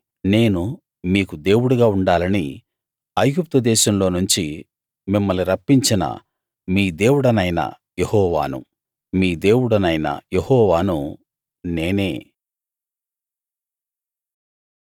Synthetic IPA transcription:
ne̞ːnu | miːkud̪e̞ːwuɽuɡaːuɳɖaːlɐni | ɐjɡup̚t̪ɐd̪ɛːʃɐmlo̞ːnuɲt͡ʃi | mimːɐliɾɐpːiɲt͡ʃinɐ̰ | miːd̪e̞ːwuɽɐnɐjnɐ̰ | jehɔːʋa̰ːnṵ | miːd̪e̞ːwuɽɐnɐjnɐ̰jehɔːʋaːnu | neːne̞ː

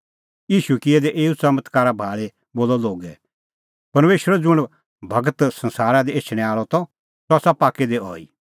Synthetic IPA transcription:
iːʃukɪɛd̪ɛʔeːut͡sɐmət̪kaːɾabʱaːɭe | boːlɔloːɡɛ | pɐɾmeːʃəɾɛd͡zʊɽ̃ | bʱɐɡət̪sɐ̃nsaːɾad̪ieːt͡ʃʰɽ̃ɛ̃aːɭɔt̪ɔ | sɔasapaːked̪eɔ̰ːḭ

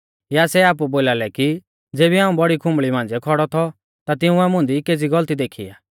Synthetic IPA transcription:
jasɛaːp̬uboːlaːlɛki | d͡zeːbiaːũbɔɽikʰʊ̃mbɭimãːnd͡zɛkʰɔɽɔt̪ʰɔ | t̪at̪ɪũɛmʊ̃nd̪ikeːd͡ziɡɔlt̪id̪eːkʰḭa̰ː

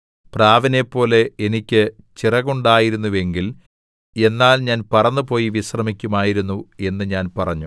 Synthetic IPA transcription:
praːʋɐne̞pːo̞ːle̞enikʲːɨ | t͡ɕirɐɣuɳɖaːjiɾunːuʋe̞ŋɡil | e̞nːaːlɲaːnpɐrɐnːɨpo̞ːjiʋiɕrɐmikʲːumaːjiɾunːue̞nːɨɲaːnpɐrɐɲːu

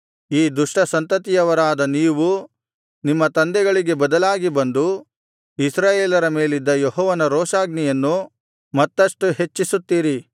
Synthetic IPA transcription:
iːd̪uʂʈɐsɐnt̪ɐt̪̬ijɐʋɐɾaːd̪ɐniːʋu | nimːɐt̪ɐnd̪ɛɡɐɭiɡe̞bɐd̪ɐlaːɡibɐnd̪u | isɾaːjeːlɐɾɐmeːlid̪ːɐjeɦɔːʋɐnɐɾɔːʂaːɡnijɐnːu | mɐt̪ːɐʂʈuɦe̞t͡ʃːisut̪ːiːɾi

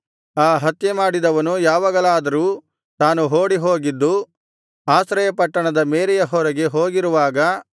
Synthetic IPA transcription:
aːɦɐt̪jemaːɽid̪ɐʋɐnujaːʋaːɡɐɭaːd̪ɐɾuː | t̪aːnuɦoːɽiɦo̞ːɡid̪ːu | aːsɾɐjɐpɐʈːɐɳɐd̪ɐmeːɾɛjɐɦɔɾɐɡe̞ɦoːɡiɾuʋaːɡɐ

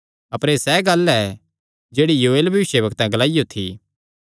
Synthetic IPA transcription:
ɐpəɾeːsɛːɡɐlɛ | d͡ʒeːɽijuːeːlbʱɐʋɪʃjebɐkt̪ãɡɐlaːɪjot̪ʰḭː

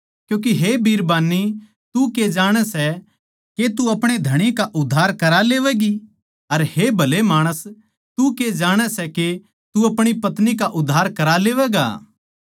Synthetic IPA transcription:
kjõːk̬iɦebʱiːɾbaːnːi | t̪uked͡ʒaːɽ̃ɛsɛ | ket̪uɐpɽ̃ed̪ʱɐɽ̃ikaʔʊd̪ʱːaːɾkɐɾaleːʋɛːɡi | ɐɾhebʱɐlemaːɽ̃əs | t̪uked͡ʒaːɽ̃ɛsɛke | t̪uɐpɽ̃ipɐt̪nikaʔʊd̪ʱːaːɾkɐɾaleːʋɛːɡa̰ː

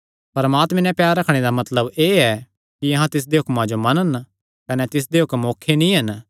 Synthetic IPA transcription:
pɐɾmaːt̪mɛ̃nɛ̃pjaːɾɾɐkʰɽ̃ed̪amɐt̪ləbeːɛ | kiɐɦãt̪ɪs̬d̪eɦʊkmãd͡ʒomɐnən | kɐnɛt̪ɪs̬d̪eɦʊkmːoːkʰːenĩɦɐn

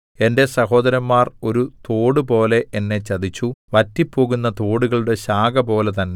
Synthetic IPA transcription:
e̞nde̞sɐɦo̞ːd̪ɐɾɐmːaːro̞ɾut̪o̞ːɽupo̞ːle̞ʔenːe̞t͡ɕːɐd̪it͡ɕːuʋɐtːipːo̞ːɣunːɐt̪o̞ːɽuɣɐɭuɽe̞ɕaːɡɐpo̞ːle̞t̪ɐnːe

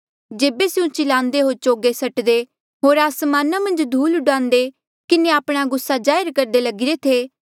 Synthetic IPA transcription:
d͡ʒeːbesɪũt͡ʃɪlãːnd̪eɦoːɾt͡ʃoːɡesɐʈd̪e | ɦoːɾasmaːnamɐ̃nd͡ʒd̪ʱuːlʊɖãːnd̪e | kɪneaːpɽ̃aɡʊsːad͡ʒaːɪɾkɐɾd̪elɐɡɪɾet̪ʰeː

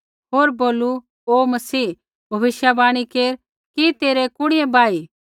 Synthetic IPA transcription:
ɦoːɾboːlu | oːmɐsiː | bʱɐʋɪʃjabaːɽ̃ikeːɾ | kit̪eːɾɛkʊɽ̃ɪebaːi

